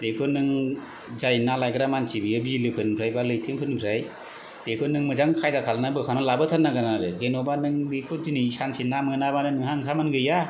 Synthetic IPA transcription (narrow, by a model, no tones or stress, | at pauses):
dekʰɯnɯŋ | zajnalajɡɯɾamansibiɯbilɯpʰɯnpʰɾajbalɯjtʰɯmpʰɯnpʰɾaj | d̥ekʰɯnɯŋmɯzaŋkʰajdakʰalnabɯkʰanalabɯtʰanːaɡanaɾɯzenɔbanɯŋbikʰɯdinisansinːamɯnabanɯnɯŋhaŋkʰamanɡɯja